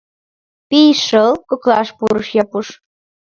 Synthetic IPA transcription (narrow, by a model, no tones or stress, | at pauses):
piʃəlkoklɑʃpuɾəʃjɑpuʃ